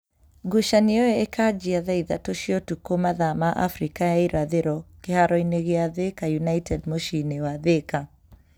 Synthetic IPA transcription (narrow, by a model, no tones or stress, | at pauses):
ɡuʃaniɔjɛekʰad͡ʒiaðaiða̰toʃiɔtukomaðamaʔa̰fɾikajaiɾaðeɾɔkehaɾɔineɣeaðekajunajtɛdmoʃinewaðeka